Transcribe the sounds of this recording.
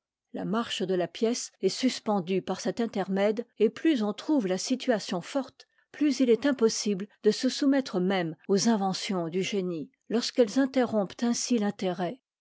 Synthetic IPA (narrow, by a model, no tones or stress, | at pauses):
lamaʁʃd̪əlapjɛsɛsyspɑ̃d̪ypaʁsɛt̪ɛ̃t̪ɛʁmɛd̪eplyzɔ̃t̪χuvlasit̪ʰyasjɔ̃fɔʁt̪ | plyzilɛt̪ɛ̃pɔsibld̪əsəsumɛt̪χəmɛmozɛ̃vɑ̃sjɔ̃d̪yʒeni | lɔʁskɛlzɛ̃t̪eʁɔ̃pt̪ɛ̃silɛ̃t̪eʁɛ